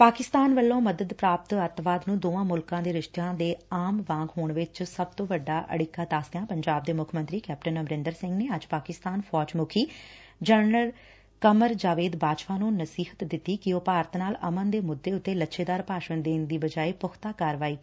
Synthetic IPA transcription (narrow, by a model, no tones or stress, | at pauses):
paːkɪst̪aːnʋəlːõːməd̪əd̪pɾaːp̚t̪ət̪ʋaːd̪nũːd̪oːãːmʊlkãːd̪eːɾɪʃt̪ejãːd̪eːaːmʋãːŋɡɦoːɳʋɪt͡ʃsəb̚t̪õːʋəɖːaːʔə̰ɽɪkːãːd̪aːsd̪ejãːpəɲd͡ʒaːb̚d̪eːmʊkʰmə̃nt̪ɾiːkɛːpʈənəmɾɪnd̪əɾsɪ̃ŋɡneːəd͡ʒpaːkɪst̪aːnpʰɔːd͡ʒmʊkʰiː | d͡ʒəɾnəl | kəməɾd͡ʒaːʋeːd̪baːʃpaːnũːnəsiːɦət̪d̪ɪt̪ːiːkɪoːpaːɾət̪naːləmənd̪eːmʊd̪ːeːʊt̪ːeːlətːʃeːd̪aːɾpaːʃənd̪eːnd̪iːbəd͡ʒaːeːpʊkʰt̪aːkaːɾʋaːiː